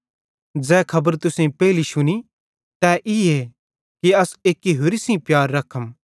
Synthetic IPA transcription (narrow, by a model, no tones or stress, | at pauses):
d͡zɛːkʰɐbəɾt̪ʊsẽpɛːliʃʊni | t̪ɛʔɪe | kiɐseːkːiɦʊɾisĩpjaːɾːɐkʰːəm